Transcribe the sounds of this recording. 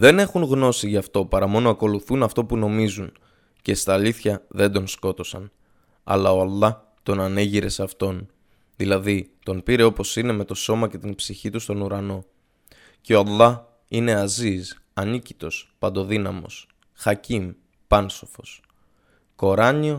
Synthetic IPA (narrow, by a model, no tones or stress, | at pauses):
ðe̞ne̞xunɣno̞siʝɐft̪o̞pɐɾɐmo̞noɐko̞luθunɐft̪o̞puno̞mizun | ce̞st̪ɐːliθçɐðe̞nd̪o̞nsko̞t̪o̞sɐ̰n | ɐ̰lɐoɑlˠːɐ | t̪o̞nɐne̞ʝiɾe̞sɐft̪o̞n | ðilɐðit̪o̞npiɾe̞o̞po̞sine̞me̞t̪o̞so̞mɐce̞t̪inpsiçit̪ust̪o̞nuɾɐno̞ | ceo̞ɑlˠːɐ | ine̞ɐzis | ɐnici̥t̪o̞spɐnd̪o̞ðinɐmo̞̰s | xɐcim | pɐnso̞fo̞s | ko̞ɾɐɲio